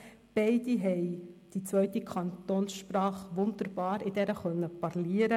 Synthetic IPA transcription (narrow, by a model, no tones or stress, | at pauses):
b̥ɛɪd̥iɦɛɪd̥it͡sʋœʏtikʰɑnt̪oːnsʃpɾɑːχʋʊndəɾb̥ɑːɾɪd̥ɛɾəχœnːəpɑrliːəɾə